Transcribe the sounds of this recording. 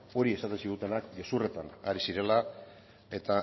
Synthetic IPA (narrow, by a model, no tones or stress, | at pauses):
o̞ɾie̞sat̪e̞nsiɣut̪e̞nakɡe̞sure̞t̪anaɾisiɾe̞la | e̞t̪a